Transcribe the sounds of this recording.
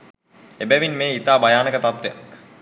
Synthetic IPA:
ebæʋinmeːit̪aːbajaːnəkət̪at̪ʋeja̰k

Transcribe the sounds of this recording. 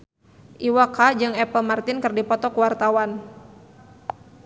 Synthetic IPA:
ʔiwakad͡ʒɨŋɛpəlmart̪ɪnkɨrdipɔt̪ɔkuwart̪awan

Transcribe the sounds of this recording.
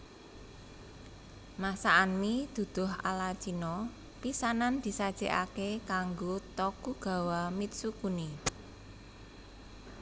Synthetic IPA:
masaʔːnmid̪̥ṳd̪̥ʊ̤ɦʔa̰lat͡ʃinɔ | pisanand̪̥i̤sad̥ʒ̥e̤ʔa̰kekaŋɡot̪ɔkuɡ̥a̤wamit̪̚sukuni

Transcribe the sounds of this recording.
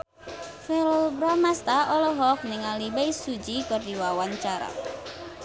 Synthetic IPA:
fɛlɔbɾamast̪aɔlɔɦɔk̚nɛŋalibajsud͡ʒikərdiwawant͡ʃaɾa̰

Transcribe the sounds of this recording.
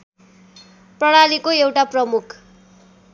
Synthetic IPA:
prʌɽalikoewʈaprʌmukʰ

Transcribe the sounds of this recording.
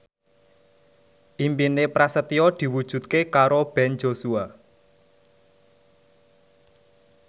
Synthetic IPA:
ʔimpinepɾasət̪iɔd̪̥i̤wud̥ʒ̥ṳt̪̚kekaɾob̥ɛnd͡ʒosua

